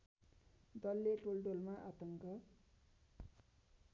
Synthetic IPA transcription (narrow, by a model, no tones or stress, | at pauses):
d̪ʌlːeʈolɖolmaʔat̪ʌŋkʌ